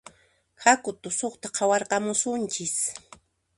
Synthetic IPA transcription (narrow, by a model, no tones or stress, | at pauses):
hakʊt̪ʊsoχt̪aqʰɑwɑɾqɑmʊsʊnt͡ʃɪs